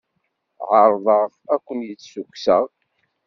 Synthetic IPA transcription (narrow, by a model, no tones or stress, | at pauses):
ʕəɾˤðˤəʁ | ækʷːənjət͡sːsukʷːsəʁ